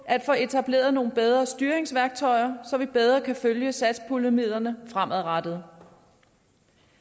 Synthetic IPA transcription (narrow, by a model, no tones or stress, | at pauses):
ʔæd̥fɔe̝t͡sʰæb̥le̝̰ːɐð̩ˠno̝ːn̩b̥eð̞ˠʁɐsd̥yːɐʁeŋsʋæɐɡ̥̚t͡sʰɒ̽ɪɐsɒ̽ʋib̥eð̞ˠʁɐkʰæføljəsæd̥spʰuləmið̰ˠɐnəfʁam̰ʔæð̩ˠʁɑd̥əð̩ˠ